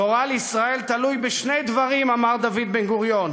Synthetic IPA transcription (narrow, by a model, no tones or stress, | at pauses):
oʁaleisʁae̞lt̪alujbeʃnejd̪vaʁimamaʁd̪avid̪benɡuʁjo̞n